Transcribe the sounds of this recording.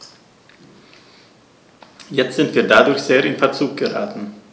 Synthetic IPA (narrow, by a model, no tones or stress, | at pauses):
jɛt͡stz̥ɪntv̥iːɐdadʊɾçz̥eːɐʔɪnfɛɐt͡suːk̚ɡ̥əʁa̰ːtn̩